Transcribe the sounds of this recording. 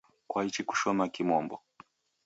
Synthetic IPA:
kwait͡ʃiku̥ʃɔmakimɔmbɔ

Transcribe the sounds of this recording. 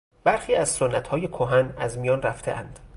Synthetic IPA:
b̥æɾxiːæzsonːæt̪ʰhɒːje̞kʰoɦænæzmijɒːnræft̪ʰe̞̰ʔænd̪̥

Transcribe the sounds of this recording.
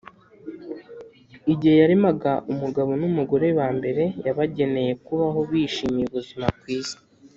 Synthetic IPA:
iɟihe̞jaɾimaɡaʔumuɡaβo̞numuɡo̞ɾe̞waːmbe̞ɾe̞jaβaɟe̞ne̞je̞kuβaɦo̞βiːʃiːmijiβuzimakwiːz

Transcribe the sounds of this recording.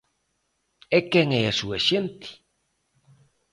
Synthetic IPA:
ekeŋeesueʃent̪i̥

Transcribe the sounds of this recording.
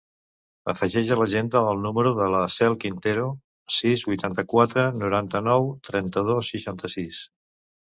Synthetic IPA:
ə̰fəʒɛʒələʒend̪əəlˠnuməɾuðələsɛlˠkint̪eɾu | sizβujt̪ant̪əkwat̪ɾənuɾant̪ənɔwt̪ɾɛnt̪əð̞osːiʃant̪əsis

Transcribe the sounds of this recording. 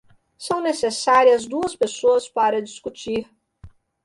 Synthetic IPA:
sɐ̃w̃nesesaɾiɐzd̪uɐspesoɐspaɾɐd͡ʒiskut͡ʃiɾ

